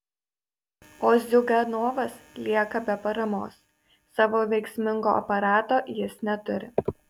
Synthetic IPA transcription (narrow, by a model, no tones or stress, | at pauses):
oːzʲd̪ʲʊɡɐnoːʋɐslʲiɛkɐbʲɛpɐɾɐmo̰ːs | sɑːʋoːʋʲɛɪksʲmʲɪŋɡo̰ːʔɐ̰pɐɾɑːt̪oːʔjɪsnʲɛt̪ʊɾʲɪ̰